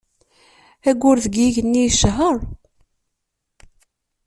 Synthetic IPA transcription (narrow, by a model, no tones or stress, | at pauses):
æɡːʊɾðəɡiʝənːijʃɦəɾˤ